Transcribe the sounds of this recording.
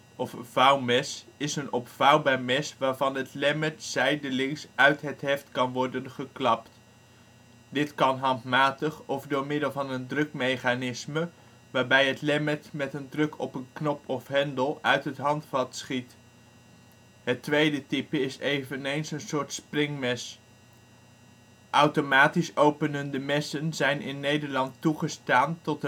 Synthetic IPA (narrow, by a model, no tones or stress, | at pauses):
ɔfvɑwmɛsɪsənɔpfɑwbaːɹmɛsʋaːɹvɑnɦətlɪmətz̥ɛjdəlɪŋsœɥtɦətɦɛftkɑnʋɔɹdənχəklɑpt | dɪtkɑnɦɑntmaːtəχɔfdʊːɹmɪdəlˠvɑnəndrɵkmejχaːnɪsmə | ʋaːɹbɛjɦətlɪmətmɛtəndrɵkʰɔ̰pənknɔpɔfɦɛndəlˠœɥtɦətɦɑntfɑtsχit | ɦətʋejdətipɪsejvənejnsənsʊːɹtsprɪŋmɛs | ʔɑwtomaːtisowpənəndəmɛsənzɛjnɪ̰nːejdəɹlɑntːuχəstaːntɔt